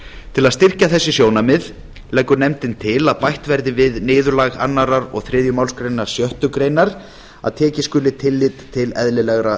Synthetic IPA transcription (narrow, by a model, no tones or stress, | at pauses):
t̪ʰɪlaðst̪ɪr̥caθɛsːɪsjoːwnamɪð | lɛkːʏɾnɛmt̪ɪnt̪ʰɪlaðpajht̪vɛɾðɪvɪðnɪːðʏɾlaɣa̰nːaɾaɾɔ̰ɣθɾɪːðjʏmawlskɾejnaɾ̥sjœht̪ʏkɾejnaɾ̥ | a̰ðt̪ʰɛːcɪskʏːlɪt̪ʰːɪlːɪt̪ʰːɪlɛ̰ðlɪlɛɣɾa